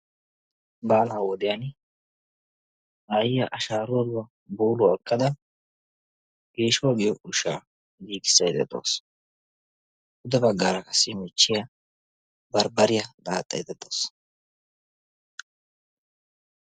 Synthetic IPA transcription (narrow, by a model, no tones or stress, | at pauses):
baːlaːwɔd̪ɪjan | ʔaːjɪjɐʔɐʃaːɾʊwɔlʊwɐ | buːlʊɛkʼːɐd̪ɐ | ɡ̥eːʃɔɡɪjɔʔʊʃaː | ɡiːɡɪ̥sːɐjd̪ɛ̰d̪o̰ːs | ʔʊd̪ɛbɐɡːaːɾɐkɐsːɪmɪt͡ʃːɪjɐ | bɐɾbɐɾɪjɐd̪aːt̪ʼːɐ̰jd̪ɛd̪o̞ːs